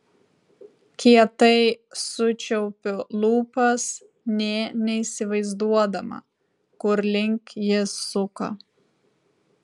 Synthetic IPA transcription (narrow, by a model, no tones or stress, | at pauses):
kʲiɛt̪ɐɪsʊt͡ʃʲɛʊpʲʊlˠuːpɐs | nʲɛnʲɛiːsʲɪʋɐɪzd̪uɔd̪ɐmɐ̰ | kʊɾlʲɪŋʲkʲjɪsːʊkɐ̰